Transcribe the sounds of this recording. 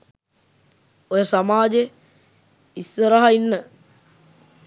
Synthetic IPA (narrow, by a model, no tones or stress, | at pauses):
ojəsamaːd͡ʒe | isːəɾaɦainːə